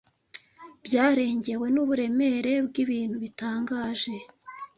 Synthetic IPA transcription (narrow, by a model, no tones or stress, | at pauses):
b̥ɟaːɾe̞ːɲɟe̞we̞nuβuɾe̞me̞ɾe̞bɡiβiːn̥huβitaːŋɡaːʒe̞